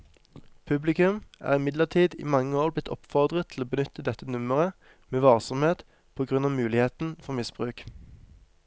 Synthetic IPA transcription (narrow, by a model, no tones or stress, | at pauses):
pʰʉblɪkʉmʔæ̰ːʁɪmɪd̪ləʁt̪ʰiːd̪ḭːmɑŋːəoːʁblɪt̪ʰːɔ̰pfɔʁd̪ʁətt̪ʰl̩oːbənʏt̪ʰəd̪ɛt̪ːənʉməʁə | meːʋɑlsɔmheːt̪ | pʰoːɡʁʉnɑːmʉːlɪheːt̪n̩fɔʁmɪsb̥ʁʉːk